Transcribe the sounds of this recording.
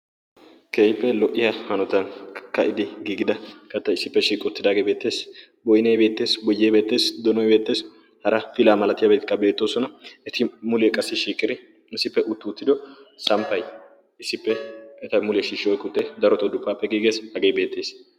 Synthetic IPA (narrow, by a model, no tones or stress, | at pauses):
kʰeːjpːɛlɔʔɪjɐhɐnɔt̪ɐnkɐʔɪd̪ɪɡiːɡɪd̪ɐkɐt̪ːɐɪsːɪpːɛʃiːkʼʊt̪ːɪd̪aːɡebe̞ːt̪ːe̞ːs | bɔjnɐjbe̞ːt̪ːe̞ːsbɔjːɛjbe̞ːt̪ːe̞ːsd̪ɔnɔjbe̞ːt̪ːe̞ːs | hɐɾɐfɪlaːmɐlɐt̪ɪjaːbet̪ɪ̥kːɐbe̞ːt̪ːoːsɔnɐɛt̪ɪmʊlɛkʼɐsːɪʃiːkʼːɪd̪ɪ | ɪsɪpːɛʔʊt̪ːʊːt̪ːɪd̪ɔsɐmpːɐj | ɪsːɪpːɛɛt̪ɐmʊlɛʃiʃːɔjkʊt̪ːɛd̪ɐɾɔt̪ɔd̪ʊpːaːpːɛɡiːɡeːshɐɡeːjbe̞ːt̪ːe̞ːs